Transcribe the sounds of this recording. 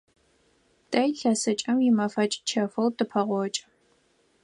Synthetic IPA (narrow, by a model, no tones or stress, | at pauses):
d̥ʰɐjɬɐsɐt͡ʃʼɐmjɪmɐfɐt͡ʃʼt͡ʃʰɐfɐwdʰɨpʰɐʁʷɔt͡ʃʼɐ